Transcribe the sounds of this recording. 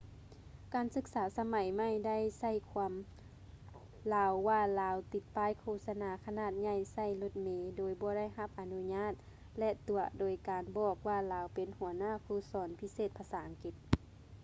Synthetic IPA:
kaː˨˩nsɯ˧˥k̚saː˨˧˦sa˧ma˨˦jma˧˥˨jda˥˨jsa˧˩˨jkʰu˧˦m | laː˧wːaː˧laː˨˧˦wt̪i˧˦t̪̚paː˧˥˨jkʰoː˧˨sa˧naː˨˦kʰa˧naː˧˩t̪̚ɲa˧˩jsa˧˩˨jlo˧t̪̚meː˨˧doː˨jbɔː˧˦ɾa˥˨jɦa˧˦p̚ʔa˨˧nu˧ɲaː˧˥˩t̪̚ | lɛ˧t̪u˨˩ɐdoː˨˦jkaː˨nbɔː˧˩k̚waː˧˩laː˨˧˦wpe˨nhu˨˩˦ɐ˦naː˧˥˨kʰuː˧˩sɔː˨˦npʰi˧˥seː˧˩t̪̚pʰaː˧saː˨˦ʔa˨ŋki˧˦t̪̚

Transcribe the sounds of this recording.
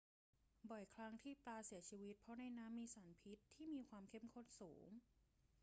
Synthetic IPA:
bɔ˨˩jkʰɾa˦˥ŋt̪ʰiː˥˩plaː˧si˨˩˦ɐt͡ɕʰiː˧wi˦˥t̪̚pʰɾɔ˦˥na˧jnaː˦˥mːiː˧saː˩˦npʰi˦˥t̪ʰːiː˥˩miː˧kʰwaː˧mkʰe˦˥˩mkʰo˥˩t̪̚suː˩˦ŋ

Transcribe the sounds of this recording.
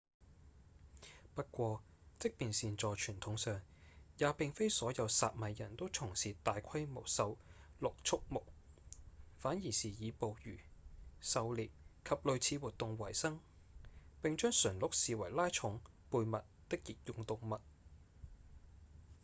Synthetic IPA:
pɐ˥t̚kʷɔː˧ | t͡sɪ˥k̚piː˨nsiː˨nt͡sɔː˨˧t͡ʃʰyː˨˩nt̪ʰʊ˨˥ŋsœː˨ŋjaː˨˧pɪ˨ŋfe˥jsɔː˨˥jɐ˨˧wsa̰ː˨t̚mɐ˨˧jjɐ̰˨˩nt̪o˥wt͡sʰʊ˨˩ŋsiː˨˩t̪aː˨jkʰɐ˥jmo˨˩wsɐ˧wlʊ˨k̚t͡ʃʰʊ˥k̚mʊ˨k̚ | faː˨˥nji˨˩siː˨jiː˨˧po˨˧wjyː˨˩sɐ˨˧wliː˨p̚kʰɐ˨p̚lɵ˨ɥt͡sʰiː˨˧wuː˨˩t̚t̪ʊ˨˧ŋwɐ˨˩jsɐ˥ŋ | pɪ˨ŋt͡ʃœː˥ŋsɵ˨˩nlʊ˨˥k̚siː˨wɐ˨˩jlaː˥jt͡ʃʰʊ˨˥ŋ | puː˧jmɐ˨t̚t̪ɪ˥k̚ji˨k̚jʊ˧ŋt̪ʊ˨ŋmɐ˨t̚

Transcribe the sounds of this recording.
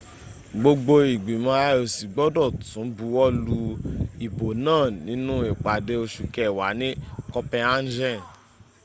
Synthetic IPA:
ɡ͡bo˧ɡ͡bo˧i˨ɡ͡bĩ˨mã˨˧a˦˧˦o˨si˨ɡ͡bɔ˦dɔ˦˨tũ˨˦bu˧˦wɔ˦lu˧i˨bo˨nãː˦˨nĩ˨˦nũ˦e˨k͡pa˨de˦o˧ʃu˧kɛ˦˨wa˨˦nĩ˦kɔ˧pɛ̃˧a˦d͡ʒɛ˦˨

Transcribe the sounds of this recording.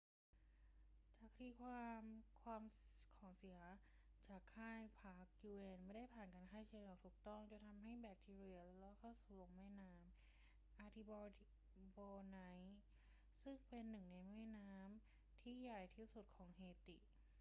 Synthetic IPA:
t͡ɕaː˨˩k̚t̪ʰiː˧˥˩kʰwaː˧mkʰwaː˧mkʰɔː˩˦ŋsi˩˦ɐ | t͡ɕaː˨˩kʰːaː˥˩jpʰaː˦˥k̚juː˧ʔe˧nma˥˩da˥˩jpʰaː˨˩nka˧nkʰaː˥˩jt͡ɕiː˧ɔː˨˧˩t̪ʰuː˨˩k̚t̪ɔ˥˩ŋt͡ɕa˨˩t̪ʰa˧mɦa˥˩jbɛː˨˩k̚t̪ʰiː˧ɾi˧˩əlɛ˧˦˥lɔː˦˧˥kʰa˥˩wsuː˨˩lo˧ŋmɛː˥˩naː˦˥m | ʔaː˧t̪ʰi˧bɔ˧ | boː˧na˧˥j | sɯ˥˩ŋpe˧nːɯ˨˩ŋna˧jmaː˥˩naː˦˥m | t̪ʰiː˥˩jaː˨˩jt̪ʰiː˥˩su˨˩t̪̚kʰɔː˩˦ŋheː˧˩t̪ḭ˨˩ʔ

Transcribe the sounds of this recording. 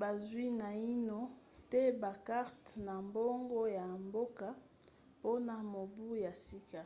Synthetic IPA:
ba˨zwi˦na˨i˦no˦tɛ˦ba˨ka˦ʁtna˨mbo˦ŋɡo˦ja˨mbo˦ka˦ | po˦na˨mo˨bu˦ja˨si˦ka˦

